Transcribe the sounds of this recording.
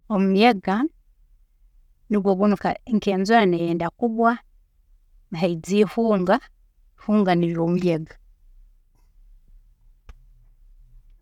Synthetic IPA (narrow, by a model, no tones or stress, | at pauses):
omumjeɡa | niɡwoɡunuka̰eŋkeːnzoɾanejeːndakuβwa | nihaid͡zifuːŋɡa | fuːŋɡaniβomujeɡa